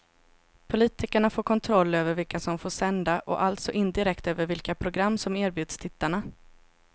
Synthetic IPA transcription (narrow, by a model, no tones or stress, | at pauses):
pʰʊliːt̪ɪkəɳafoːɾkʰɔnt̪ʰɾɔlːøːvəɾvɪlkasɔmfoːʂɛnd̪aʔɔ̰ʔalt̪sɔʔɪnd̪ɪɾɛkt̪øːvəɾvɪlkapʰɾʊɡɾamːsɔmeːɾbjʉ̟ːd̪̥st̪ʰɪt̪ːaɳa